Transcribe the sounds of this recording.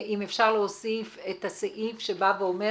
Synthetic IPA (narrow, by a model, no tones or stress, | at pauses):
ʔimefʃaʁleosifet̪haseʔifʃebaveome